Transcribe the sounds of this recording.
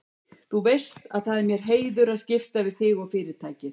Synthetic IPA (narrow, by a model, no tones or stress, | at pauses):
θuvejst̪aðθaðɪɾmjɛɾ̥ɦeːjðʏɾaðscɪft̪avɪðθɪɣɔɣfɪːɾɪɾ̥t̪ʰaːjcɪ